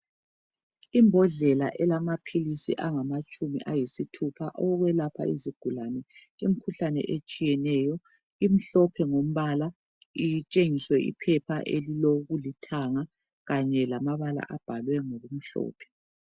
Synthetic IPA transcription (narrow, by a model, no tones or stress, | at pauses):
imbʱɔɮɛla̰ʔɛlamapʰilisḭʔaŋamat͡ʃʼumḭʔajisitʰupʰaʔɔɣwɛlapʰa̰iziɡ̥ʱulanɛ | im̩kʰuɬanɛ̰ʔet͡ʃʼijɛnɛjɔ | im̩ɬɔpʰɛŋom̩βala | it͡ʃʼeŋiswɛʔḭpʰɛpʰaʔeliloɣulitʰaŋa | ɣaɲɛlamaβala̰ʔab̥ʱalwɛŋoɣum̩ɬɔ̰ːpʰɛ̥